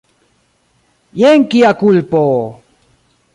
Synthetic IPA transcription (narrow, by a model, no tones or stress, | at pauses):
jeŋkiakulpoː